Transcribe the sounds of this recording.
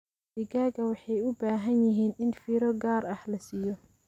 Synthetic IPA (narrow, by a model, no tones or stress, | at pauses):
dɪɡaːɡɐwɑħɑjʊbaːɦɐnjɪɦiːnɪnfiːɾɔɡaːɾɐħlɐsiːjɔ